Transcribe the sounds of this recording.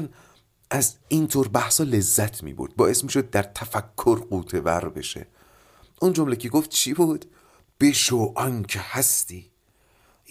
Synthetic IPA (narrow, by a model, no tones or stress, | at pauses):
n | ʔæziːnt̪ʰoːɾbæhsɒːle̞zːæt̪ʰmḭːbo̰ɾd̪̚bɒːe̞smiːʃo̞d̪̚ːæɾt̪ʰæfækʰːoɾɢuːt̪ʰevæ̰ɾbe̞̰ʃḛ | ʔund͡ʒomleceɡoft̪̚t͡ʃʰibuːd̪̥ | b̥eʃoʔɒncʰehæst̪iː